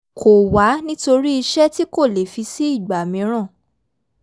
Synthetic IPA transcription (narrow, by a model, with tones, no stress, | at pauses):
kʰo˨wa˨˦nĩ˦to˧ɾi˦i˧ʃɛ˦ti˦ko˦˨le˨fi˧si˦i˦˨ɡ͡ba˨mĩ˧˦ɾ̃ã˦˨